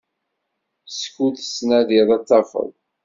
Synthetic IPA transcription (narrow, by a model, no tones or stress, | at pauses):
sçuðəsnæðiðˤɑt͡sːɑfə̰ðˤ